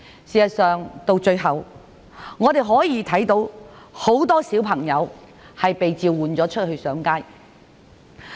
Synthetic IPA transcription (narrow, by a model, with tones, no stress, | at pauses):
siː˨sɐ˨tsœː˨ŋt̪o˧wt͡ʃɵ˧ɥɦɐ˨w | ŋːɔː˨˧t̪e˨jɦɔː˨˥jiː˨˧t̪ʰɐ˨˥jt̪o˨˥w | ho˨˥wt̪ɔː˥siː˨˥wpʰɐ˨˩ŋjɐ˨˧w | hɐ˨jpe˨jt͡siː˧wwuː˨nt͡sɔː˨˥t͡ʃʰɵ˥t̚hɵ˧ɥsœː˨˥ŋkaː˥j